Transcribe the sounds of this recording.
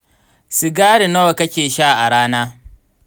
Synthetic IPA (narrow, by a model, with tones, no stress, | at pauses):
si˨ɡaː˦ɽi˨nɐ˦wa˨kɐ˦kʲeː˨ʃaː˦˨ʔa˨ɽaː˦naː˦